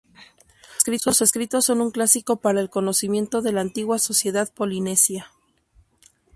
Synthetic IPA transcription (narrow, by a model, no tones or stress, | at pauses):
skɾit̪o̞se̞skɾit̪o̞sːo̞nuŋklasiko̞paɾaelko̞no̞simje̞nt̪o̞ðe̞laːnt̪iɣwaso̞sje̞ðaðpo̞line̞sja